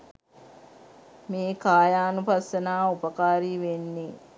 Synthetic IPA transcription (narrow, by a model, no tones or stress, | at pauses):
meːkaːjaːnupasːɐnaːupəkaːɾiːʋenːe